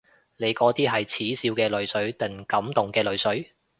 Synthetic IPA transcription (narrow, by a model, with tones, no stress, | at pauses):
ne˨˧jkɔː˨˧˥t̪iː˥ɦɐ˨jt͡sʰiː˨˥siː˧wkɛː˧lɵ˨˩ɥsɵ˨˥ɥt̪ɐ˨ŋkɐ˨˥mt̪ʊ˨ŋkɛː˧lɵ˨˧ɥsɵ˨˥ɥ